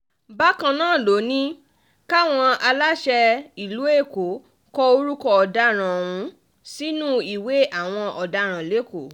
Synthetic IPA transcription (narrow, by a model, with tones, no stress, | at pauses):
ba˦kã˧nãː˦˨lo˨˦nĩ˦ | ka˦˨w̃ɔ̃˧a˧la˦ʃɛ˧i˨lu˨˦e˦˨ko˨˦ | kɔ˧o˧ɾu˦kɔ˧ɔ˨da˧˦ɾ̃ã˨o˨wũ˧ | si˦nũ˦i˨we˨˦a˦˨w̃ɔ̃˧ʔɔ˨da˨˧˦ɾ̃ã˨le˨˦ko˨˦